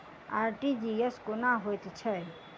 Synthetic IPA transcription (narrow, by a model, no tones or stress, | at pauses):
aːɾʈid͡ʒiəskonaɦojt̪t͡ʃʰə